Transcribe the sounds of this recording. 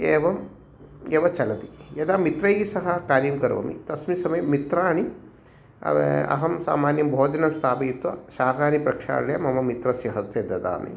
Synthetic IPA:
eːʋɐm | eːʋɐt͡ʃɐlɐt̪ijɐd̪aːmit̪ɾɐjisɐɦɐkaːɾjɐmkɐɾʋɐ̰mḭt̪ɐsmisɐmɐjmit̪ɾaːɳi | ɐ̰ɐ̰ɦɐmsa̰ːmaːnjɐmbʱoːd͡ʒɐnɐmst̪ʰaːpɐjit̪ʋɐʃaːkaːnipɾɐkʃa̰ːɽɐɽjɐmɐmɐmit̪ɾɐsjɐɦɐst̪jɐd̪ɐd̪a̰ːmḛ

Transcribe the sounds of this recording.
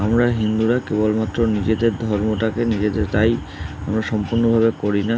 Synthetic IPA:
amɾaɦind̪uɾakebolmat̪ːɾonid͡ʑed̪eɾd̪ʱɔɾmoʈakenid͡ʑed̪eɾt̪aj | amɾaʃɔmpuɾnobʱabekoɾina

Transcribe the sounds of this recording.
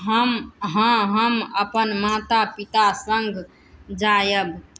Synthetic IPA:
ɦəmɦə̃ɦəməpənmat̪apit̪asəŋɡʱ | d͡ʒajəb

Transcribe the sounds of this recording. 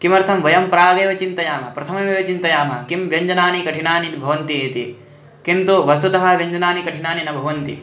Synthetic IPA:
kimɐɾt̪ʰɐmʋɐjɐmpɾaːɡeːʋɐt͡ʃint̪ɐjaːmɐpɾɐt̪ʰɐmɐʋeːʋɐt͡ʃint̪ɐjaːmɐkimʋjɐɲd͡ʒɐnaːnikɐʈʰiɳaːninbʱɐʋɐnt̪ieːt̪i | kint̪uʋɐsud̪ɐɦɐʋjɐɲd͡ʒɐnaːnikɐʈʰiɳaːninɐbʱɐʋɐnt̪ḭ

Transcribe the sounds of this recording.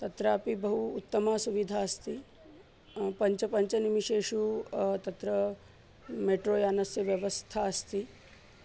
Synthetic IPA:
t̪ɐt̪ɾaːpibɐɦuːt̪ːɐmaːsuʋid̪ʱaːɐst̪i | pɐɲt͡ʃɐpɐɲt͡ʃɐnimiʃeːʃut̪ɐt̪ɾɐ | meʈɾoːjaːnɐsjɐʋjɐʋɐst̪ʰaɐst̪i

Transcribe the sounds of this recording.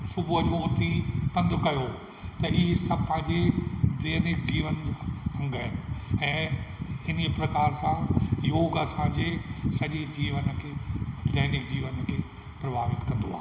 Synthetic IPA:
sʊbʱuɦəd͡ʑoʊt̪ʰipɐ̃nd̪ʱʊkɐjo | t̪ɐɪɦesɐpɐ̃ɦɪ̃ɲd͡ʑed̪eːnɪkd͡ʑiːʋənɐ̃ŋɡəɦɪnɪ̆ɛ̃ːɪnepɾɐkaːɾsãjoːɡɐsãːɲd͡ʑesɐʄed͡ʑiːʋənkʰeːd̪eːnɪkd͡ʑiːʋənkʰeː | pɾɐbʱaːʋɪt̪kɐ̃nd̪oaːɦ

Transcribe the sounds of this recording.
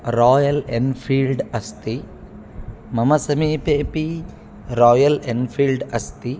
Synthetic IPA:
ɾaːjɐlenpʰiːlɖɐst̪i | mɐmɐsɐmiːpeːpi | ɾɔːjɐlenpʰiːlɖɐst̪i

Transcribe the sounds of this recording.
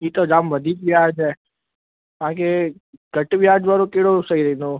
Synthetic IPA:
iːt̪od͡ʒaːmʋəd̪ʱiːkʋjaːd͡ʒɛː | t̪ãːk̬eɡəʈʋjaːd͡ʒʋaːɾokeːɽosəiɾəɦĩnd̪o

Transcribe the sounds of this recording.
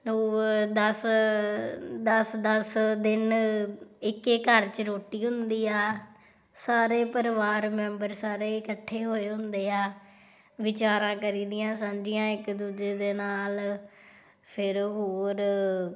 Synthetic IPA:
loːd̪əs | d̪əsd̪əsd̪ɪn | ɪkekəɾt͡ʃəɾoːʈiːɦʊnd̪iːaː | saːɾeːpəɾʋaːɾmɛ̃ːmbəɾsaːɾeːɪkəʈʰːeːɦoːeːɦʊnd̪eːaː | ʋɪt͡ʃaːɾãːkəɾiːd̪ɪjãːsãːd͡ʒɪjãːɪkd̪uːd͡ʒeːd̪eːnaːl | pʰɪɾɦoːɾ

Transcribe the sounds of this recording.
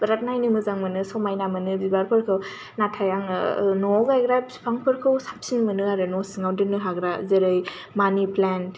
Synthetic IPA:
bɾat̚najnɯmɯzaŋmɯnɯsɔmajnamɯnɯbibaɾpʰɯɾkʰɯw | natʰajaŋnɔɡajɡɾapspʰaŋpʰɯɾkʰɯwsḁp̚sinmɯnɯaɾɯnɔsiŋawdɯnɯɦaɡɾazeɾɯj | maniplan

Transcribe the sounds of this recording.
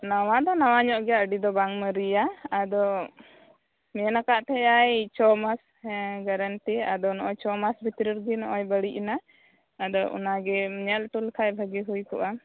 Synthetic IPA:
nawad̪ɔnawaɲɔʔɡɛjaʔəɖid̪ɔbaŋməɾijaːd̪ɔ | mɛɛnakaʔt̪ʰɛjajt͡ʃɔmas | ɡaɾənʈia̰d̪ɔnɔʔɔjt͡ʃɔmasbʱit̪ɾiɾɡinɔʔɔjbəɽiʔina | ad̪ɔʔṵnaɡɛɲɛlʈulkʰajbʱəɡiɦujkɔʔa

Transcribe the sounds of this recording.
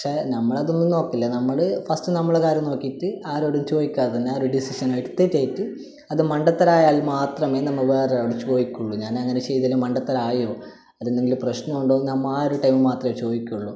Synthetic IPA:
ɐɐkʂenɐmːɐɭɐðo̞nːuno̞ːkːilːɐnɐmːɐɭɨfɐstɨnɐmːɐɭkaːɾno̞ːkːijʈːɨaːɾoːɽumt͡ɕo̞ːjikʲːaːɐðɐnːeaːoɾɖisiʂɐnaːjʈːut̪ːetːeːjitːɨ | ɐðɨmɐɳɖɐt̪ːɐɾaːjaːlmaːt̪rɐme̞ːnɐmːɐɭʋeːrɐoɽut͡ɕo̞ːjikʲːuɭːuɲaːnɐŋːɐne̞t͡ɕe̞jt̪ilumɐɳɖɐt̪ːɐɾaːjo̞ː | ɐðenːeŋɡilprɐɕnɐmuɳɖo̞ːnɐmːaːjoɾuʈɐjmɨmaːt̪rɐmet͡ɕo̞ːðikʲːuɭːu

